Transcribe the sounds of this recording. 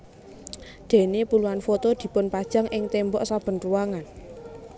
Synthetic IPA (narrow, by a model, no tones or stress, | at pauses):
d̪̥e̤nepuluanfot̪od̪̥i̤pʊnpad̥ʒ̥a̤ŋʔɪŋt̪embɔʔsab̥ə̤nruwaŋan